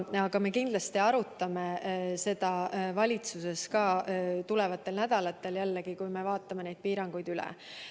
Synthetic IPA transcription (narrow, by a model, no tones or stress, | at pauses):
ɑɡ̥ɑme̞kind̪lɑst̪iɑɾut̪ːˑɑme̞se̞d̪̥ɑvɑlʲit̪suse̞skɑːt̪ule̞vɑt̪ːˑe̞lnæd̪̥ɑlɑt̪ːˑe̞ljælːeɡ̥ikujme̞vɑːt̪ːˑɑme̞ne̞jd̪̚piːɾɑŋɡ̥ujd̪̥ylḛ